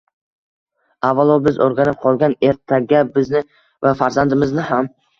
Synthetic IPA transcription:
avːalˠɒbɪzoɾɡʲanɪp̚qʰɒlˠɡʲane̞ɾt̪ʰaɡʲabɪznɪ | vafaɾzand̪ɪmɪznɪham

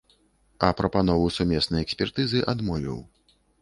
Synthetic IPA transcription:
ɐpɾɐpanɔvuwsumʲɛsnɐjɛksʲpʲɛrt̪ɨzɨʔad̪mɔvʲḭw

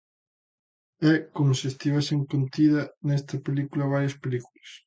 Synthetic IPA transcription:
ɛkomʊsɪest̪iβɛseŋkont̪iðɐnɛst̪ɐpelikulɐβ̞aɾjɐspelikulɐs

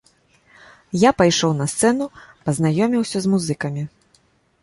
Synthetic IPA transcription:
japajʂɔwnɐst̪sɛnupɐznajɔmʲiwsʲɐzmuzɨkɐmʲi

